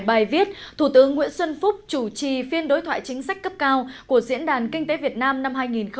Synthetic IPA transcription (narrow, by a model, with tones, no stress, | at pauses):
jɓaː˨˩jvi˦˥ət̚t̪ʰu˧˩t̪ɨ˨˦əŋːwḭ˧˥ənswə˧nfʊ˦˥k͡p̚t͡ɕu˧˩t͡ɕi˨˩fi˧ənɗo˨˦jt̪ʰwa̰ː˧˨jt͡ɕï˨˦ŋ̟sa˦˥k̟̚kə˦˥p̚kaː˧wku˧˩əzḭ˧˥ənɗaː˨˩nkï˧ŋ̟t̪e˨˦vi˨˩ət̚naː˧mna˧mɦaː˧jŋi˨˩nx